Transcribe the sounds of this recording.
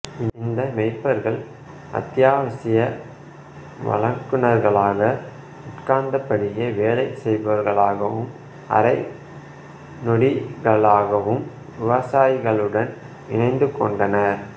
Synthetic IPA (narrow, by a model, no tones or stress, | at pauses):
ɪɪnd̪ɐmɛɪpːɐɾɣɐɭ | ʔɐ̰t̪ːjaːʋɐsɪjɐ | ʋɐ̰ɭɐŋkːɯnɐɾɣɐɭaːɣɐ | ʊʈkaːnd̪ɐpːɐɽɪjeʋeːlɐɪsɛjbɐʋɐɾɣɐɭaːɣɐʋɯm | ʔɐ̰ɾɐɪ | nɔɽiɣɐɭaːɣɐʋɯm | ʋɪʋɐsaːjɣɐɭɯɽɐn | ɪnɐɪnd̪ɯkːɔɳɖɐnɐɾ